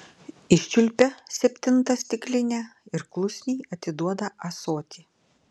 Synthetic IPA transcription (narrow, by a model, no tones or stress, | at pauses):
ɪʃʲt͡ʃʲʊlʲpʲɛsʲɛpʲt̪ʲɪnt̪ɐsʲt̪ʲɪklʲɪnʲɛɪɾklˠʊsʲnʲɛjɐt̪ʲɪd̪uɔd̪ɐɐsoːt̪ʲi